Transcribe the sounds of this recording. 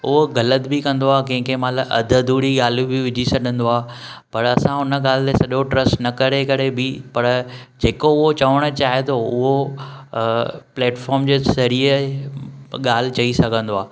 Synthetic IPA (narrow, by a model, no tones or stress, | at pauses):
ʊɦoɣɐlət̪bɪkɐ̃nd̪oaːkɐ̃ɦɪ̃kʰemɐt̪ləbʔɐ̰d̪ʱəd̪ʱuːɾiɠaːlubɪʋɪd͡ʑʱisɐɗʱə̃nd̪oaː | pɐɾɐsãɦʊnə̆ɠaːl̤ɪt̪esɐʄoʈɾɐsʈnɐkɐɾekɐɾebɪpɐɾd͡ʑeːkoʊɦot͡ɕɐʋəɽ̃ə̆t͡ɕaːɦet̪ʰoʊɦo | plɛːʈfɔːɾmd͡ʑeːsɐɾiːə | ɠaːl̤ɪ̆t͡ɕɐisɐɡʱə̃nd̪oaː